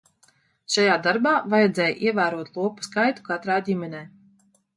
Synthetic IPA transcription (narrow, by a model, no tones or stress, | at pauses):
ʃajaːd̪aɾbaːvajɛd̪zɛːjʔiɛvæːɾuɔt̪lˠuɔpu̥skajt̪u̥kat̪ɾaːdʲimʲɛnʲɛː